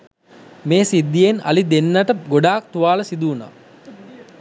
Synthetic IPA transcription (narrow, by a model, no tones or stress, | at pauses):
meːsid̪ːijena̰lid̪enːaʈəɡoɖaːk̚t̪uʋaːləsid̪uːna̰ː